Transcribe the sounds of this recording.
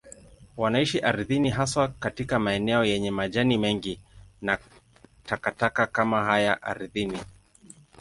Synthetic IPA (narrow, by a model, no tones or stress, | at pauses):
wanaiʃiʔaɾðiniɦaswakatikamaɛnɛɔjɛɲɛmaʄanimɛŋɡina | takatakakamaɦajaʔa̰ɾiðini